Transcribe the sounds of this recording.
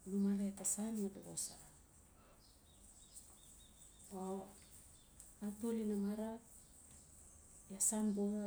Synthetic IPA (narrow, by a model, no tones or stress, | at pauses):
numaletasanmadoɡosa | o | atulinamaɾak̚ | jasanboa